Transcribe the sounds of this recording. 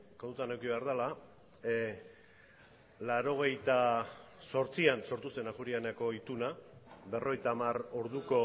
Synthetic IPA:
konut̪anewkiβe̞aɾðala | laɾo̞ɣ̞e̞jt̪aso̞ɾt͡sianso̞ɾt̪use̞naɣuɾianako̞it̪unabe̞ro̞ɣ̞ejt̪aːmaro̞ɾðuko̞

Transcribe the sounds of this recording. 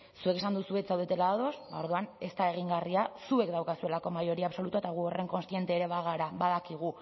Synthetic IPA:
sueke̞sand̪usuet͡sawðe̞t̪elaðaðo̞sbao̞ɾðuane̞st̪ae̞ɣ̞iŋɡariasue̞kd̪awkasue̞lako̞majo̞ɾiaːβso̞lut̪uet̪aɣ̞uo̞re̞ŋko̞nst̪je̞nt̪eɾe̞βaɣaɾabaðakiɣ̞u

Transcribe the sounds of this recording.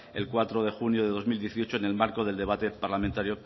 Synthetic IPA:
e̞̰lkwat̪ɾoð̞e̞xunjoðe̞ðo̞zmild̪jeθio̞t͡ʃoene̞lmaɾkoð̞e̞ld̪e̞β̞at̪e̞paɾlamẽnt̪aɾjo

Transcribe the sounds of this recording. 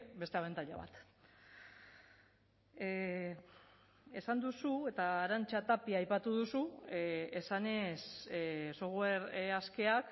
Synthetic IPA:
be̞st̪e̞aβe̞nt̪aʎa̰βa̰t̪ | e̞sand̪usue̞t̪aːɾant͡ʃat̪apiajpat̪uð̞usu | esane̞ssoɣweɾaske̞ak

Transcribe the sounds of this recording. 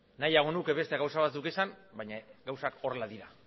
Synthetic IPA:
najaɣo̞nuke̞βe̞st̪eɣawsaβat̪d̪ukesanbajɲaɣawsako̞relaðiɾa

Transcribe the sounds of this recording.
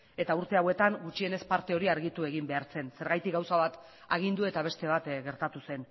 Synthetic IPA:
e̞t̪auɾt̪e̞awe̞t̪aŋɡut͡ʃie̞ne̞spaɾt̪e̞o̞ɾiaɾɣit̪ue̞ɣimbe̞aɾt͡se̞nse̞ɾɣajt̪ikɡawsaβat̪ | aɣ̞ind̪ue̞t̪aβ̞e̞st̪e̞β̞at̪ɣe̞ɾt̪at̪use̞n

